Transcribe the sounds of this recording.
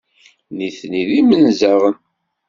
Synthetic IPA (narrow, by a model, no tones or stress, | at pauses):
niθniðimənzəʁən